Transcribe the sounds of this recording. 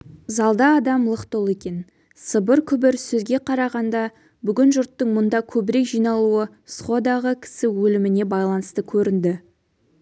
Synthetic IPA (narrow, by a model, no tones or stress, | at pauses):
zɑlˠd̪ɑːd̪ɑmlˠəqt̪olˠe̞kʲe̞n | səbəɾkʲʰʏbɪɾsɵzɡʲe̞qʰɑɾɑʁɑnd̪ɑ | bʏɡʲɪnʒʊɾt̪ːəɴmʊnd̪ɑkʲʰɵbɪɾe̞kʒijnɑlˠuə | sχo̞d̪ɑʁəkʲʰɪ̥sɪwɵlɪmɪne̞bɑjlˠɑnəst̪əkʲʰɵɾɪnd̪ɪ